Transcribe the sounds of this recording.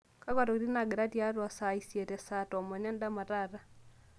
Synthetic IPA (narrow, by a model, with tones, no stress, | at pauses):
ka˦ka˨ɾo˨kɾi˦na˨ɡɪ˨ɾa˦tja˦ɾwɔ˨sa˨i˨sje˨tɛ˨sa˨tɔ˨mɔ˨ɲa˦nda˦ma˨ɾa˦˨ɾa˦